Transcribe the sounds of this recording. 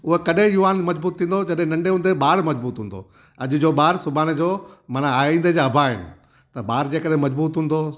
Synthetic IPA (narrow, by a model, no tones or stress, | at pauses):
ʊɦekɐɗẽjʊʋaːnmɐd͡ʑbuːt̪ʰːĩːn̆d̪od͡ʑɐɗɦɪ̃nɐ̃ɳɖeɦʊ̃nd̪eɓaːɾmɐd͡ʑbuːt̪ɦũːnd̪o̰ | ɐʄʊ̆d͡ʑoːɓaːɾsʊbaːnd͡ʑoːmɐnaaːĩːnd̪ed͡ʑaɐbʱaɦɪ̰nɪ̆ | t̪ɐɓaːɾd͡ʑeːkɐɗɦẽmɐd͡ʑbuːt̪ɦũːnd̪o